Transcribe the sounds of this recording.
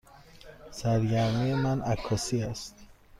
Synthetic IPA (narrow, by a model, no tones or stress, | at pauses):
sæɾɡæɾmijemænækʰːɒsiæst̪